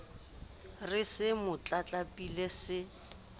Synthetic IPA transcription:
rɪsɪmʊt͡ɬʼat͡ɬʼapʼilesɪ

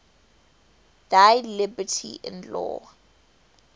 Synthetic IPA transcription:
dajlɪbətʰḭɪ̰̃nlɔ̰

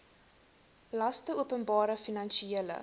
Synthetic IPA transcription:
lɐstəuəpənbɑːɾəfinɐnʃieələ̰

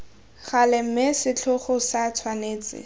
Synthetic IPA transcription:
χalɛm̩mɪsɪt͡ɬʰʊχʊsat͡sʰwaneːt͡sɪ̰

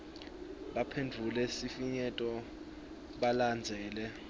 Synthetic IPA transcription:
ɓapʰendʱulɛsifiɲɛtʼɔ | ɓaland͡zʱɛːlɛ

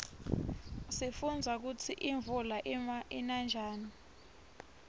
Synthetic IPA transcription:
sifund͡zʱak̬ut͡sʰiʔiɱvulaʔinand͡ʒʱaːni

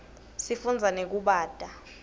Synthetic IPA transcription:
sifund͡zʱanek̬uɓaːd̥ʱa

